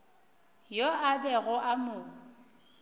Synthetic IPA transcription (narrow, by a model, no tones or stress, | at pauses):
joabɛɣʊʔamʊː